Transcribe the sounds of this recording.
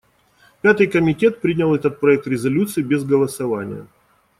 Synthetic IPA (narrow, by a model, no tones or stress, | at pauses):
pʲat̪ɨjkəmʲɪtʲe̞t̪̚pɾʲidnʲɪlˠɛt̪ət̪̚pɾɐɛk̚t̪ɾʲɪzɐlʲut̪sɨɪbʲɪzɡəlˠəsɐvanʲɪ̰jə̰